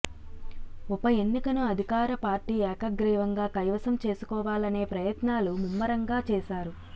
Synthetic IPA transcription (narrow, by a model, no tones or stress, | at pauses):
ɔpɐje̞nːikɐnuɐd̪ʱikaːɾɐpaːɾʈiːɛːkɐɡɾiːʋɐŋɡaːkɐjʋɐsɐmt͡ʃe̞ːsu̥kɔːʋaːlɐne̞ːpɾɐjɐt̪naːlumumːɐɾɐŋɡaːt͡ʃɛːʃaːɾu